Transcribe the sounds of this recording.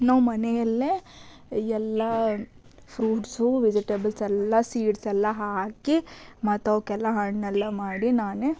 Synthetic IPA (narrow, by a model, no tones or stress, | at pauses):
nɐʋmɐnɛjɐlːe | ɛlːɐ | pʰɾuːʈsuʋid͡ʒiʈebɐlsɛlːɐsiːʈsɛlːɐɦaːkimɐt̪ːɐʋkɛlːɐɦɐɳnɐlːɐmaːɽinaːne